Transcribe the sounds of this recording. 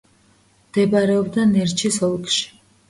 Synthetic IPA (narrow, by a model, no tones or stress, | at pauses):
md̪̥ɛbaɾɛɔbd̪anɛɾt͡ʃʰisɔlˠkʼʃi̥